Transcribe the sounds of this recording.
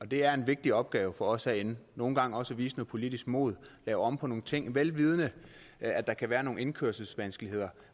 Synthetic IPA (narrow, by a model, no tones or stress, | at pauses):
ɒ̽d̥e̝æɐe̝nʋe̝ɡ̥̚d̥iɒ̽b̥ɡ̥ɛːʊfɒ̽ɒ̽sæenno̝ːn̩ɡ̥ɑ̈ŋ̰ɒ̽sæʋḭːsənopʰo̝lid̥isɡ̥mo̝̰ːð̞̩ˠlɛːʊɒ̽mpʰɒno̝ːn̩t͡sʰe̝ŋ̰ʋelʋiːð̞ˠənə | æd̥ɑ̈kʰæʋæːɐno̝ːŋn̩e̝nkʰøɐsl̩sʋænsɡ̥əlihe̝ð̰ˠɐ